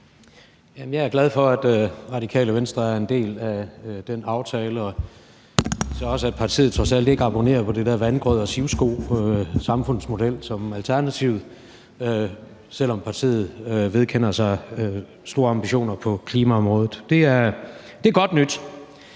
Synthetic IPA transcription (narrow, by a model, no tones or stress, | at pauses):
jæmnjɑ̈ɪæɐɡ̥læð̞ˠfɒ̽æd̥ʁɑ̈ɾ̥ikʰɛ̰ːləʋensd̥ʁɐæɐe̝nd̥e̝̰ːlæd̥enɑ̈ʊt͡sʰɛːləɒ | sɒ̽ɒ̽səæ̥pʰɑ̈t͡sʰḭːð̩ˠt͡sʰʁɒ̽sæl̰d̥e̝ɡ̥əɑ̈b̥o̝ne̝̰ːɐpʰɒ̽d̥ed̥æɐʋænɡ̥ʁœð̞̰ˠɒsiʊsɡ̥o̝̰ːsɑ̈mfɔ̽n̰ð̩ˠsmo̝d̥el̰sɒ̽mælt͡sʰæɐnæt͡sʰiʊ̰ðˠ | ø | sel̰ɒ̽mpʰɑ̈t͡sʰḭːð̞̩ˠʋe̝ð̞ˠkʰen̰ɐsɑ̈ɪ | sd̥o̝ːɐɑ̈mb̥iɕo̝̰ːnɐpʰɒ̽kʰliːmæɒ̽mʁɔ̽ːð̞̩ˠd̥e̝æɐ | d̥e̝æɡ̥ɒ̽d̥nyd̥